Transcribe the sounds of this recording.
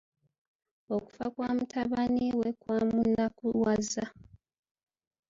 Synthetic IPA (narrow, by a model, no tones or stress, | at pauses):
oku̥fakwaːmutʰaβaniwekwamunakuwaza